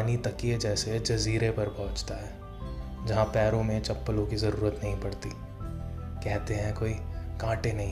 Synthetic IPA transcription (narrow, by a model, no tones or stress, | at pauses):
nit̪ɐkied͡ʒɛːsed͡ʒɐziːɾepɐɾpɐɦʊ̃t͡ʃt̪aɦɛː | d͡ʒɐɦãpɛːɾõmẽt͡ʃɐpːəlõkizɐɾuːɾət̪nɐɦĩpɐɽt̪i | kɛɦt̪eɦɛ̃koːikãːʈenɐɦĩ